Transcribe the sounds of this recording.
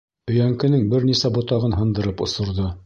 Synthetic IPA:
ɵ̆jæŋkɘ̆nɘŋbɘɾnisæbŏt̪ɑʁɤnɦɤ̆nd̪ɤ̆ɾɤpŏsŏɾðo

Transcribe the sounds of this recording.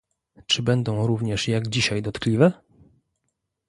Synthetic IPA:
t͡ʂɘbɛnd̪ɔ̃w̃ɾuvɲɛʂjaɡd͡ʑiɕajd̪ɔt̪klʲivɛ

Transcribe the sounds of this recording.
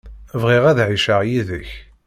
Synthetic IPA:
vʁiʁæðʕiʃəʁjiðəç

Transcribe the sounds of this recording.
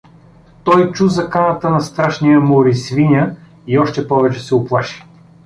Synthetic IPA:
t̪ɔjt͡ʃuzɐkanət̪ənɐst̪ɾaʃnijəmoɾisvinʲə | iɔʃt̪ɛpɔvɛt͡ʃɛsɛʊplˠaʃi̥

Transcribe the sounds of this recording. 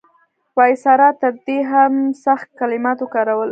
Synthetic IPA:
wɑjsɑɾɑt̪əɾ̚d̪eɦamsaxt̪̚kalɪmɑt̪okɑɾawəl

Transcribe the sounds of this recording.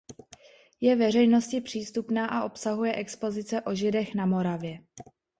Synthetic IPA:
jɛvɛrɛjno̞scɪpr̝̥iːst̪upnaːʔaʔo̞psaɦujɛʔɛkspo̞zɪt͡sɛʔo̞ʒɪdɛxnamo̞ɾavjɛ

